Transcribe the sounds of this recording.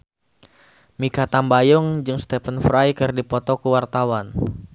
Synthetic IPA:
mikat̪ambajʊŋd͡ʒɨŋst̪ɛfənfɾajkɨrdipɔt̪ɔkuwart̪awan

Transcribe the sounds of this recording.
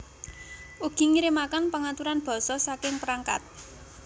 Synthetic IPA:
uɡ̥i̤ŋiɾɪmakanpəŋat̪uɾanb̥ɔ̤sɔsakɪŋpɾaŋka̰t̪̚

